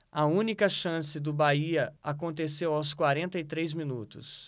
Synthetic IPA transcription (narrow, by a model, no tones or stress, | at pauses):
ɐũnikɐʃɐ̃sɪd̪ʊbaiɐakõnt̪esewawskwaɾẽnt̪ɐit̪ɾejzmĩnut̪ʊ̰s